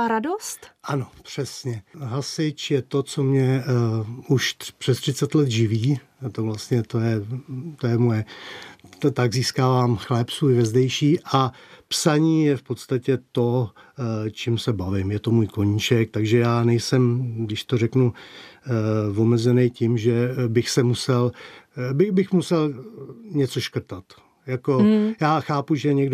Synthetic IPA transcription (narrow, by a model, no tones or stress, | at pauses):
ɾadost̪ʔano̞pr̝̥ɛsɲɛɦasɪt͡ʃjɛt̪o̞t͡somɲɛ | uʃpr̝̥ɛst̪r̥ɪtt͡sɛt̪lɛt̪ʒɪviː | t̪ovlast̪ɲɛt̪o̞jɛt̪ojɛmojɛ | t̪aɡziːskaːvaːmxlɛːpsuːɪvɛzdɛjʃiːʔapsaɲiːjɛfpo̞t̪st̪acɛt̪o̞ | t͡ʃimsɛbavɪmjɛt̪o̞muːjko̞ɲiːt͡ʃɛk̚t̪aɡʒɛjaːnɛjsɛmɡdɪʃt̪o̞rɛknu | vo̞mɛzɛnɛjcɪmʒɛbɪxsɛmusɛlbɪbɪxmusɛlɲɛt͡so̞ʃkr̩t̪at̪ | jako̞jaːxaːpuʒɛɲɛɡd